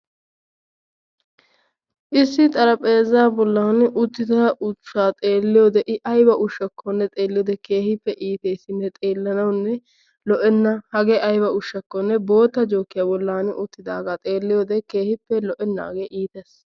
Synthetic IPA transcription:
ʔɪsːɪt̪ʼɐɾɐpʼeːzːaːbɔlːaːnʔʊt̪ːɪd̪ɐʊt͡ʃːaːt̪ʼe̞ːlːɪjod̪ɛʔɪʔɐjbɐʔʊʃːɐkʰːɔnːɛt̪ʼeːlːɪjɔd̪ɛke̞ːhɪpːɛʔiːt̪eːsːɪnːɛt̪ʼeːlːɐnɐwnːɛ | lɔʔɛnːɐhɐɡɛʔɐjbɐʊʃːɐkːɔnːɛbo̞ːt̪ːɐd͡ʒo̞ːkːɪjaːbɔlːaːnʊt̪ːɪd̪aːɡaːt̪ʼeːlːɪjoːd̪ɛke̞ːhɪpːɛlɔʔɛnːa̰ːɡeʔiːt̪ɛs

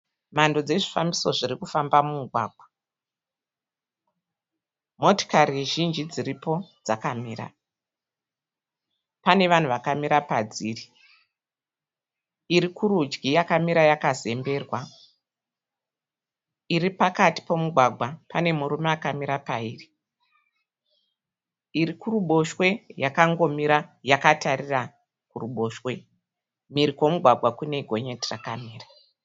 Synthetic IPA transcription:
mando̞d͡ze̞ʐifamiso̞ʐirikufambamumuɡʱwa̰ːɡʱwa | mo̞to̥karieʒind͡ʒid͡ziripo̞d͡zakamiːra̰ | pane̞ʋan̤uʋakamiɾapad͡ziːri | iɾikʰuɾud͡ʒɡijakamiɾajakaze̞mbe̞ːrwa | iripakati̥po̞muɡʱwaɡʱwapane̞muɾumeakamiɾapaiːri | irikuruɓo̞ʃwe̞jakaŋɡo̞miɾajakatarira | kuruɓo̞ʃwe̞ | miɾikwo̞muɡʱwaɡʱwakune̞ɡʱo̞ɲe̞tirakamiːra

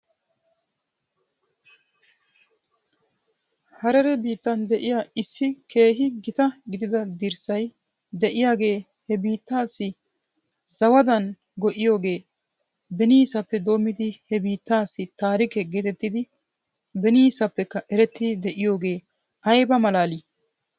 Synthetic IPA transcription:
hɐɾɛɾɛbiːt̪ːɐnd̪ɛʔɪjaːɪsːɪke̞ːɦɪɡɪt̪ɐɡɪd̪ɪd̪ɐd̪ɪɾsɐj | d̪ɛʔɪjaːɡe̞ː | hɛbiːt̪ːaːsːɪ | sɐwɐd̪ɐn | ɡɔʔɪjo̞ːɡe̞ː | bɛniːsɐpːɛd̪o̞ːmːɪd̪ɪhɛbiːt̪ːaːsːɪt̪aːɾɪkɛɡeːt̪ɛt̪ːɪd̪ɪ | bɛniːsɐpːɛkːɐʔɛɾɛt̪ːɪd̪ɛʔɪjo̞ːɡe̞ː | ɐjbɐmɐlaːli

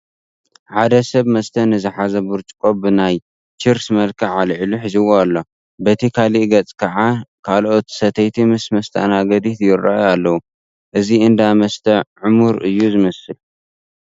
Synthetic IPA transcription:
ħad̪ɐsɐβmɐst̪ʰɐnɨzɨħazɐbuɾt͡ʃʼkʼobɨnaj | t͡ʃiɾsmɐlkʰɐʕalʕluħɨzɨwoalːo | bɐt̪ʰikʰaliʔɡɐt͡sʼkʰɐʕakʰalʔot̪sɐt̪ʰɐjt̪ʰimɨsmɐst̪ʰa̰naɡɐd̪it̪jɪɾːa̰ʔjalːɐwu | ʔɨziɨnd̪amɐst̪ʰɐʕʊmuɾɨjːuzɨmɐsɨl

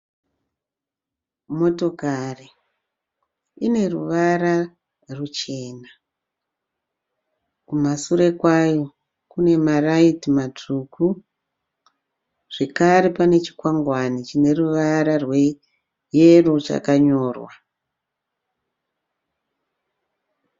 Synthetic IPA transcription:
mo̞to̞kari | ine̞ruʋaɾa | rut͡ʃe̞ːna | kumasuɾe̞kwajo̞ | kune̞maraitimat͡ʂuku | ʐ̥e̞kaɾepane̞t͡ʃi̥kwaŋɡwanit͡ʃine̞ruʋaɾarwe̞ | jerut͡ʃa̰kaɲo̞ːrwa

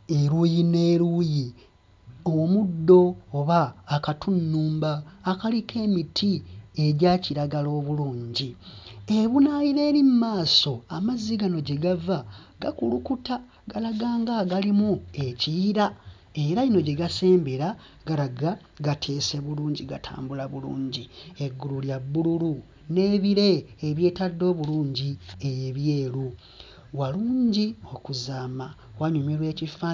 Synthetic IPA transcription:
eɾuːjine̞ːɾuji | omudːo̞ːβaːkatunːuːmbaːkalikʰe̞ːmitʰie̞ɟaːciɾaɡalo̞ːβuluːɲɟieβunaːjiɾe̞ːɾimmaːso̞amaziɡano̞ɟeɡava | ɡakulukuta | ɡalaɡaːŋɡaɡalimue̞ciːɾa | e̞ɾaino̞ɟe̞ɡase̞ːmbeɾa | ɡalaɡa | ɡatʰe̞ːse̞βuluːɲɟiɡatʰa̰ːmbulaβulṵːɲɟieɡːululjabːululu | ne̞ːβiɾe̞ːβje̞ːtadːo̞ːβuluːɲɟiejeβje̞ːlu | waluːɲɟio̞kuzaːma | waɲumiɾwe̞ːcifa

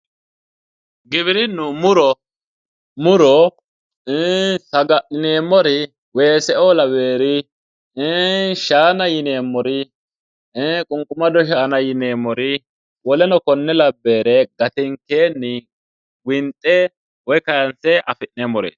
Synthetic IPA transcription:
ɡɪβɪɾɪnːʊmʊɾɔ | mʊɾɔ | sɐɡɐʔɪneːmːɔɾɪ | weːsɛʔɔːlɐbe̞ːɾɪ | ʃaːnɐjɪneːmːɔɾɪ | kʼʊŋkʼʊmɐd̪ɔʃ̬aːnɐjɪneːmːɔɾɪ | wɔlɛnɔkɔnːɛlɐbːe̞ːɾɛɡɐt̪ɪŋkeːnːɪ | wɪnt̪ʼːɛ | wɔjkɐɾɐnsɛɐfɪʔneːmːɔɾḛːs

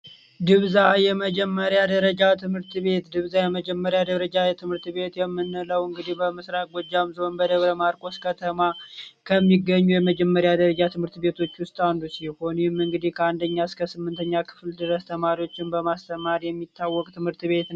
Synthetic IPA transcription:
d̪ɨβzajɛməd͡ʒɛmːəɾjad̪əɾəd͡ʒat̪ʰɨmhɨɾt̪βe̞t̪d̪ɨβzajɛməd͡ʒɛmːəɾjad̪əɾəd͡ʒajɛt̪ʰɨmhɨɾt̪βe̞t̪jɛmːɨnːɨləwɨŋɡɨd̪ibəmɨsɾak̚ʼɡʷɔd͡ʒːamzəonbəd̪əβɾəmaɾkʼo̞skʰət̪ʰəmakʰəmːiɡːəɲːujɛməd͡ʒɛmːəɾjad̪əɾəd͡ʒat̪ʰɨmhɨɾt̪be̞t̪ʰo̞t͡ʃːwʊst̪ʼand̪usiho̞nemɨŋɡɨd̪ihkʰəand̪əɲːaɨskʰəsɨmːɨnt̪ʰəɲːakʰɨ̥fld̪ɨɾəst̪ʰəmaɾiwo̞t͡ʃːɪnbəmast̪ʰəmaɾjɛmːit̪ːawːɔkʼt̪ʰɨmhɨɾt̪βe̞t̪n

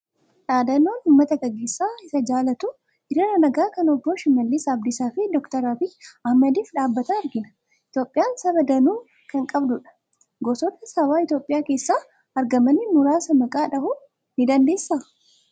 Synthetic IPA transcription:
ᶑaːd̪ɐnoːnuːmːɐt̪ɐɡɐɡeːsːaːɪsɐd͡ʒaːlɐt̪ʊ | ɪɾɪɾɐnɐɡaːkɐnɔbːoːʃɪmɐlːɪsɐːb̚d̪ɪsaːfɪd̪ɔkt̪ɐɾɐbɪɐhmɐd̪iːfᶑaːbːɐt̪ɐɐɾɡɪnɐ̥ | ɪt̪jo̞ːpʼɪjaːnsɐbɐd̪ɐnuː | kɐŋkʼɐbd̪ʊᶑɐ̥ | ɡɔsɔt̪ɐsɐbaːɪt̪jo̞ːpʼɪjaːke̞ːsːaː | ɐɾɡɐmɐnɪmʊɾaːsɐmɐkʼaːᶑɐhʊ | nɪd̪ɐnd̪e̞ːsːa

